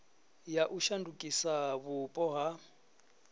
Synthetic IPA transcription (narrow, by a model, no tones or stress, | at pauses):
jaʔuʃandukʼisaβʊpʼɔɦa